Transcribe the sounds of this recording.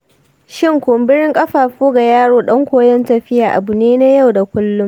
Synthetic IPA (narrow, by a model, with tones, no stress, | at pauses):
ʃɪ˦ŋkʷʊ˨mbɪ˦ɽɪ˦ŋkʼɐ˦ɸaː˨ɸoː˦ɡa˨jaː˦ɽoː˦ɗɐ˦ŋkʷoː˨jɛ˦ntɐ˨ɸɪ˦jaː˨ʔa˨bʊ˨neː˦na˦ja˦˨wda˨kʷʊ˦lːʊ˦m